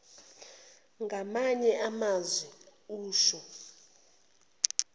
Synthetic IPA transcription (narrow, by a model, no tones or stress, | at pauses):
ŋɡʱamaɲɛʔamazwɛuːʃɔ